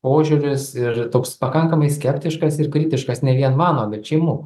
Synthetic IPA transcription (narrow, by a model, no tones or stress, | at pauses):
poːʒʲʊɾʲɪsɪrt̪oːkspɐkɐŋkɐmɐɪsʲkʲɛpʲt̪ʲɪʃkɐsɪrkɾʲɪt̪ʲɪʃkɐsnʲɛʋʲiɛnmɑːnoːbʲɛt̪t͡ʃʲɛmʊ